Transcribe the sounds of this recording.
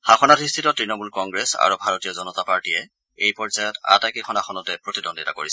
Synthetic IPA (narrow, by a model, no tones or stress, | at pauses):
haxʰɔnatɹistʰitɔtɹinɔmulkɔŋɡɹesa̰ɹubʱaɹotijɔzɔnɔtapaɹtiɛ | ejpɔɹzajɔta̰takixʰɔnakʰɔnɔtɛpɹotidɔndita̰ko̰ɹisɛ